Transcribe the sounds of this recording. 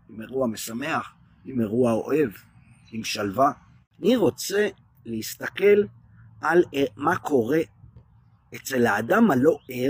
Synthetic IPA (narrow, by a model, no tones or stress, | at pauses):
imeʁuame̞same̞aχ | imeʁuao̞̰ʔe̞v | imʃalva | aniʁo̞t͡se̞ | leist̪ake̞l | alemakʰo̞ʁe̞ | et͡se̞laːdamalo̞e